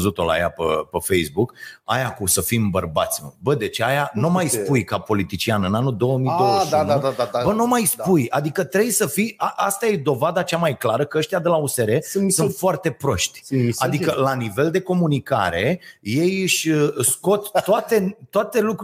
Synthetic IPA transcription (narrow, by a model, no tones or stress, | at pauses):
zut̪o̞̰la̰ja̰pə̰pefejsbuka̰jakusəfimbərbat̪sʲmə̰bəd̪e̞t͡ʃeajanumajsppujkapo̞lit̪it͡ʃianɨnanud̪o̞wəmijd̪owad̪abənumajspujad̪ikət̪ɾe̞bjsəfijaʔast̪aje̞d̪o̞vad̪at͡ʃamajklaɾəkəəʃt̪ijad̪e̞lause̞ɾe̞sunt̪foart̪e̞pɾo̞ʃt̪ʲad̪ikəlanive̞ld̪e̞ko̞munikaɾe̞je̞jɨʃʲɨsko̞t̪t̪ːoat̪e̞t̪oat̪e̞luk